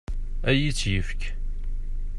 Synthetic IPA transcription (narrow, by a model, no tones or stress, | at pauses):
æjit͡sːjəfk